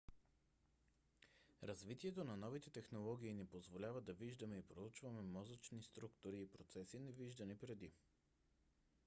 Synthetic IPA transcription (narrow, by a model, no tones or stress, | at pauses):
ɾɐzvit̪iɛt̪onɐnɔvit̪ɛt̪ɛxnolˠɔɡ̟ʲiːnipozvolʲavəd̪ɐviʒd̪ɐmɛipɾout͡ʃvɐmɛmɔzət͡ʃnist̪ɾukt̪ʊɾiːpɾot̪sɛsinɛviʒd̪ɐnipɾɛd̪i